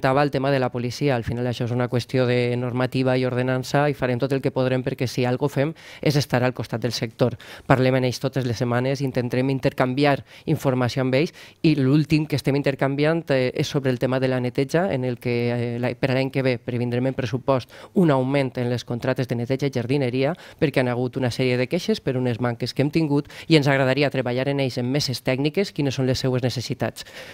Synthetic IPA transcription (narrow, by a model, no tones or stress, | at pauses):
t̪aβaːlˠt̪emaðelapolisiaːlˠfinalaʃɔezunakwest̪ijoðenoɾmat̪iβ̞aioɾð̞enansaifaɾemt̪ot̪elˠkepoðɾempəɾkɛsialˠɣofemezest̪aɾalˠkost̪at̪̚d̪elsek̚t̪oɾpaɾlemenejst̪ot̪ezlesːemanezint̪ent̪aɾemint̪əɾkambjaɾiɱfuɾmasioambejsilulˠt̪imkest̪emint̪eɾkambjant̪esːoβɾeːlˠt̪emaðelanet̪ɛʒaḛnelˠkelapeɾalaɲkeβ̞epɾeβind̪ɾemempɾesupɔst̪unawment̪enleskont̪ɾat̪ezðenet̪ɛʒaiʒəɾðineɾiapəɾkeanaɣ̞ut̪unasɛɾieðekeʃespeɾunezmaŋkeskemt̪iŋɡut̪ienzaɣɾaðaɾiat̪ɾeβaʎaɾeneʎzemːesest̪ɛɡnikeskinesːõnlesːeweznesesit̪a̰t͡s